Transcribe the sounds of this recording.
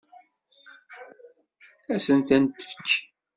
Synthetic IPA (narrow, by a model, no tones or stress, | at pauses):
æsənt̪ænt̪ːə̥fə̥kː